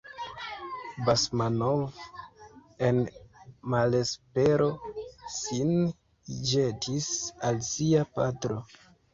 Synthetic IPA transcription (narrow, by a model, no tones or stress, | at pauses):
basmanov | enmale̞spe̞ɾo̞sin | d͡ʒetʰisalsiapa̰tɾo